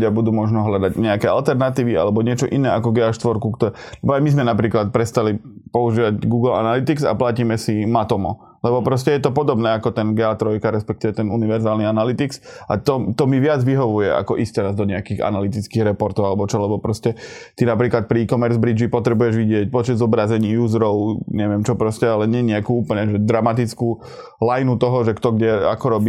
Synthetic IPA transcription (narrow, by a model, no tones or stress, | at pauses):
ɟabud̪uːmɔʒnɔɦʎad̪aɟɲɛakɛa̰lt̪ɛɾnat̪iːʋia̰lɛbɔɲɪɛt͡ʃɔʔinɛːakɔɡɛaʃt̪ʋɔɾkukt̪ɔlɛbɔajmizmɛnapɾiːklat̪̚pɾɛst̪alipɔuʒiːʋaɟɡuːɡl̩a̰nalit̪iksa̰placiːmɛsimat̪ɔmɔ̰ | lɛbɔpɾɔscɛjɛt̪ɔpɔd̪ɔbnɛːakɔt̪ɛnɡɛat̪ɾɔjkaɾɛspɛk̚t̪iʋɛt̪ɛnuniʋɛɾzaːlnianalit̪iksʔa̰t̪ɔt̪ɔmiʋɪad͡zʋiɦɔʋujɛa̰kɔʔist̪ɛɾazd̪ɔɲɛakiɣa̰nalit̪̬it͡skiːɣɾɛpɔɾt̪ɔʊalɛbɔt͡ʃɔlɛbɔpɾɔscɛt̪inapɾiːklat̪̚pɾiikɔmɛɾzbɾid͡ʒipɔt̪ɾɛbujɛʒʋiɟɪɛc̚pɔt͡ʃɛd̪zɔbɾazɛɲiːjuːzɾɔʊɲɛʋɪɛmt͡ʃɔpɾɔscɛalɛɲɪɛɲɛakuːuːpl̩ɲɛʒɛd̪ɾamat̪it͡skuː | lajnut̪ɔɦɔʒɛkt̪ɔɡɟɛa̰kɔɾɔbiː